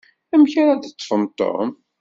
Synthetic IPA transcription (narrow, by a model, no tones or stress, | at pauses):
æmçaɾad̪ət͡s̪ːˤfənt̪ˤːo̰m